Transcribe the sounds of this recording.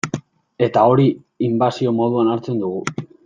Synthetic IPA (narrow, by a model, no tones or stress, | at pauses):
e̞t̪ao̞ɾi | imbasio̞mo̞ð̞uanaɾt͡se̞nd̪uɣ̞u